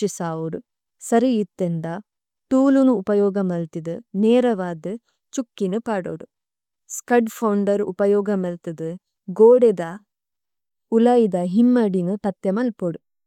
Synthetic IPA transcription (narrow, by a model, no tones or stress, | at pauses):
isaːuɾu | sɐɾijit̪ːend̪a | t̪uːlunuːpɐjɔːɡɐmɐlt̪id̪ɨneːɾɐʋaːd̪ɨ | t͡ʃukːinupaːɽo̰ːɽu | skɐɖpʰɐwɳɖɐɾṵpɐjɔːɡɐmɐlt̪id̪ɨ | ɡoːɽed̪a | ulɐjid̪ɐɦimːɐɖinɨt̪ɐt̪jɐmɐlpoɽu